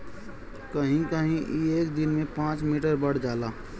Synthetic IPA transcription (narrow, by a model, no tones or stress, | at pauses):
kəɦĩkəɦĩʔieːkd̪ɪnmẽpãːt͡ʃmiʈəɾbəɽ̤d͡ʒaːlaː